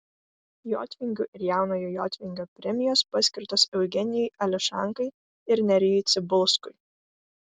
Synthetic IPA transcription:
jo̰ːt̪ʲʋʲɪŋʲɡʲuʔɪɾjæˑʊnoːjoːjo̰ːt̪ʲʋʲɪŋʲɡʲoːpʲɾʲɛmʲɪjoːspɐsʲkʲɪɾt̪oːsɛʊɡʲɛnʲɪjɛɪɐlʲɪʃɑ̰ˑŋkɐɪ | ɪɾnʲɛɾʲɪjɛɪt̪sʲɪbʊlˠˑskʊɪ

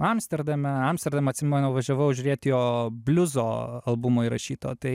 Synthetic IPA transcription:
ɐmsʲt̪ʲɛɾd̪ɐmʲɛɐmst̪ʲɛɾd̪ɐmɐt̪ʲsʲɪmʲɛnɐʊʋɐʒʲɛʋɐʊʒʲʊɾʲeːt̪ʲjoːbʲlʲʊzoːɐlˠbʊmʊːiɾɐʃʲiːt̪o̰ːt̪ɐɪ

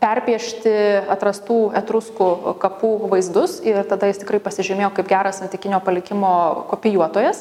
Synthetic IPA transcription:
pʲɛrʲpʲiɛʃʲt̪ʲɪɐt̪ɾɐst̪uːɛt̪ɾʊskʊkɐpuːʋɐɪzd̪ʊsɪrt̪ɐd̪ɐjɪst̪ɪkɾɐɪpɐsʲɪʒʲɪmʲeːjoːkɐɪpɡʲæːɾɐssɐnʲt̪ʲɪkʲɪnʲoːpɐlʲɪkʲɪmoːkoːpʲɪjuɔt̪oːjɛs

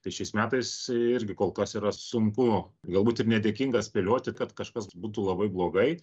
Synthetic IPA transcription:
t̪ɐɪʃʲɛɪsmʲæːt̪ɐɪsɪɾʲɡʲɪkoːlˠkɐsiːɾɐsʊŋkʊɡɐlˠbuːt̪ɪrnʲɛd̪ʲeːkʲiŋɡɐsʲpʲɛlʲoːt̪ʲɪkɐt̪kɐʃkɐsbuːt̪̬ulˠɐbɐɪblˠoːɡɐɪ

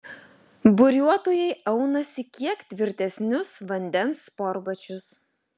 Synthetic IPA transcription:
bʊɾʲuɔt̪oːjɛɪʔɐʊnɐsʲɪkʲiɛkt̪ʲʋʲɪɾʲt̪ʲɛsʲnʲʊsʋɐnʲd̪ʲɛnspɔɾbɐt͡ʃʲʊs

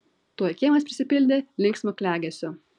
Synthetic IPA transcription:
t̪uɔjkʲeːmɐspʲɾʲɪsʲɪpʲɪlʲd̪ʲelʲɪŋksʲmʲokʲlʲæːɡʲɛsʲʊ

